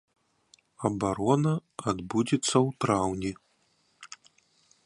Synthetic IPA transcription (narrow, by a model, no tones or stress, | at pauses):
ɐbaɾɔnɐad̪bud͡zʲit̪sːɐwt̪ɾawnʲi